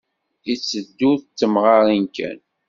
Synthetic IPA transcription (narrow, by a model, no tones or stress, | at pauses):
it͡sːəd̪ːuθt͡sːəmʁɑɾˤinkʰæ̰n